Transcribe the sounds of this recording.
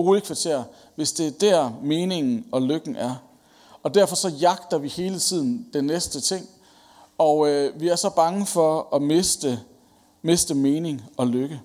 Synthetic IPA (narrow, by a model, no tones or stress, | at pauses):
ʁulˠəkʰʋɑ̈t͡sʰe̝̰ɐ̰ | ʋe̝sd̥e̝æd̥æɐ̰me̝ːne̝ŋn̩ɒ̽løɡ̥n̩ʔæɐ | ɒ̽d̥æɐ̰fɒ̽sɒ̽jɑ̈ɡ̥d̥ɐʋihe̝ːlət͡sʰið̰ˠn̩d̥enːesd̥ət͡sʰe̝ŋ̰ | ɒ̽ʋiæɐsɒ̽b̥ɑ̈ŋəfɒ̽ɒ̽me̝sd̥ə | me̝sd̥əme̝ːne̝ŋɒ̽løɡ̥ə